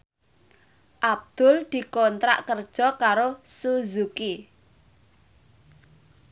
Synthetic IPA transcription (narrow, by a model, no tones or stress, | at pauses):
ʔab̚d̪̥ʊld̪̥i̤kɔnt̪ɾa̰ʔkərd̥ʒ̥ɔ̤kaɾosuzuki